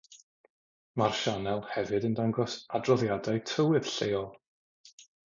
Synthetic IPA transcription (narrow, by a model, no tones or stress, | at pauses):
marʃanɛlˠhɛvɨdəndaŋɡɔsadrɔðjadaɨtʰəwɨð̥ɬejɔlˠ